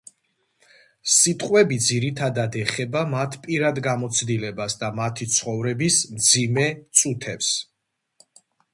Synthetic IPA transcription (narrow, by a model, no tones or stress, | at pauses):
sit̪ʼqʼwɛbid̪ziɾit̪ʰad̪ad̪ɛχɛbamat̪ʰpʼiɾad̪ɡamɔt̪sʰd̪ilɛbasd̪amat̪ʰit̪sʰχɔvɾɛbismd̪zimɛt̪sʼut̪ʰɛps